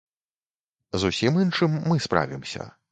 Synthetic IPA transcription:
zusʲimɨnʂɨmːɨspɾa̰vʲimsʲɐ̰

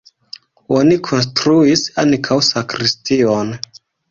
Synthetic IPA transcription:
o̞nikʰo̞ns̬tɾuisankʰawsakɾistio̞n

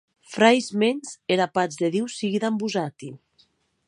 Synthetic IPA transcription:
fɾajzmenzeɾapad͡zðeðiwsiɣiðambuzat̪i

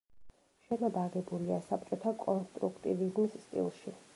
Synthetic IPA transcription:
ʃɛnabaɡɛbuliasap̚ʰt͡ʃʼɔt̪ʰakʼɔnst̪ʼɾukʰt̪ʼivizmisst̪ʼḭlˠʃi

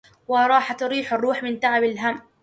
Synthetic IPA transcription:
wɪɾˤɑːħat̪ʊɾiːħɑrˤːuːħmɪnt̪aʕabalɦam

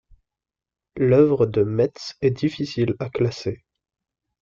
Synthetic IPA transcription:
lœvʁəd̪əmɛt̪sɛd̪ifisilaklase

